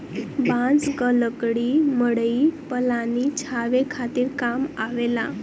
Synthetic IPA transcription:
bãd͡zɡələkɽiːməɽipəlanit͡ɕʰaʋekʰat̪iːɾkamaʋela

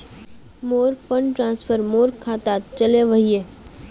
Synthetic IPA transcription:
moːɾfʰə̃ɳɖʈɾãːnspʰəɾmoːɾkʰaːt̪aːt̪̚t͡ʃɐleʋɐɦie

